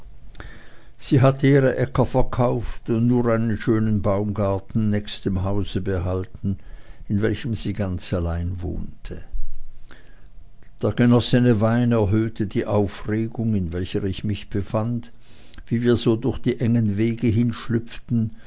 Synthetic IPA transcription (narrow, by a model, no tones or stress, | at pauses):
z̥iːɦatəiːʁəʔɛkɐfɛɐkʰaʊftʊntnuːɐʁaɪnənʃøːnənbaʊmɡaɐtn̩nɛçstəmɦaʊzəbəɦaltn̩ɪnvɛlçəmz̥iːɡant͡salaɪnvo̰ːntʰə | d̥eːɐɡ̥ənɔsənəvaɪnɛɐɦøːtʰədiːʔaʊfʁeːɡʊŋɪnvɛlçəɪçmɪçb̥əfand | viːviːɐzoːdʊɐçd̥iːʔɛŋənveːɡəɦɪnʃlʏpp͡ftn̩